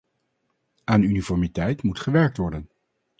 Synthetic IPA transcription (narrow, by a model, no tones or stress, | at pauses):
aːnynifɔɹmitɛjtmutχəʋɛɹk̚tʋɔɹdən